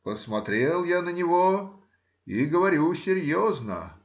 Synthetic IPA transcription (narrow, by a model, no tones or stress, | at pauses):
pəsmɐt̪ɾʲelˠjanənʲɪvo | iɡəvɐɾʲusʲɪɾʲjoznə̰